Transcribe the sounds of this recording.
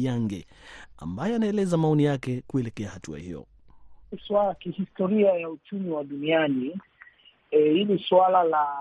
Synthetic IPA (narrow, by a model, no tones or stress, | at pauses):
jaŋɡɛa̰mbajɛanaɛlɛzamaɔnijakɛkuɛlɛkɛahatua̰hḭjɔ̰ | iswalakihistɔɾiajaut͡ʃumiwaɗuniani | hiliswalala